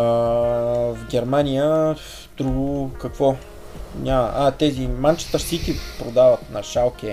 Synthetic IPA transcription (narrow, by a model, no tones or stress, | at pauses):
vɡʲɛɾmanʲijə | d̪ɾuɡʊkɐkvɔ | nʲamə̰ʔat̪ɛzimant͡ʃi̥t̪əʃsik̪ipɾod̪avət̪nɐʃalˠk̟ʲɛ